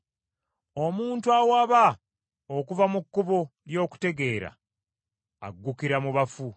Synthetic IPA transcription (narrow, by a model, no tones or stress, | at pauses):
o̞muːntuawaβa | okuvamukːuβoljo̞ːku̥te̞ɡe̞ːɾa̰ | a̰ɡːukiɾamuβafu